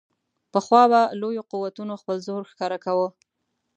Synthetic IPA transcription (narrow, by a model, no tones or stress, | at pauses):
pəxwɑbalojoquwat̪unoxpəlzoɾxkɑɾakawə